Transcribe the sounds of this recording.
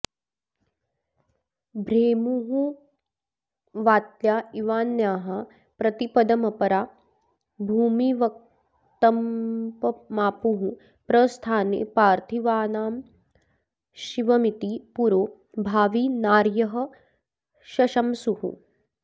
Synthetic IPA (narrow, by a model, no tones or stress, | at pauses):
bʱɾeːmuɦũ | ʋaːt̪ljaːiʋaːnjaːɦɐ | pɾɐt̪ipɐd̪ɐmɐpɐɾaː | bʱuːmiʋɐk̚ | t̪ɐmpɐmaːpuɦũ | pɾɐst̪ʰaːnḛːpaːɾt̪ʰiʋaːnaːm | ʃiʋɐmit̪ipuɾoː | bʱaːʋinaːɾjɐɦɐ̆ | ʃɐʃɐmsuhṵ